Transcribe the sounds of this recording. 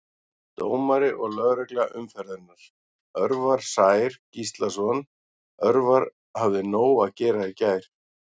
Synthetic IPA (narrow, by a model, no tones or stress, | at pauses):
t̪oːwmaɾɪʔɔɣlœðɾɛklɛɣaʔʏmfɛɾðɪnaɾ̥ | œɾvaɾ̥saːjɪɾ̥cist̪lasɔn | œɾvaɾ | havðɪnoːwacɛːɾaicaːjɾ̥